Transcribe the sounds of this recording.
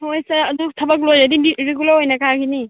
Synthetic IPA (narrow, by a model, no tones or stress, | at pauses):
hojsaɾɐdutʰɐbak̬lojzadiiɾeɡulaɾɦojnakaɡini